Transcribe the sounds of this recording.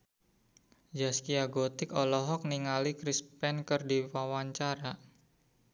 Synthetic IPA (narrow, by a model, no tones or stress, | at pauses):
d͡ʒaskiaɡot̪ɪkɔlɔɦɔk̚niŋalikɾispɛnkərdiwawaɲt͡ʃaɾa